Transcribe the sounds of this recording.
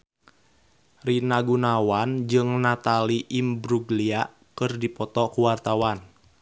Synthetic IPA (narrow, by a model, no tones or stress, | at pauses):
rinaɡunawand͡ʒɨŋnat̪aliʔimbɾuɡlia | kɨrdipɔt̪ɔkuwart̪awan